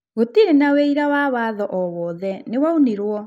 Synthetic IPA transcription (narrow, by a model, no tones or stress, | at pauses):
ɣotiɾenaweiɾawaβaðɔʔɔwɔːðɛnewauniɾwɔ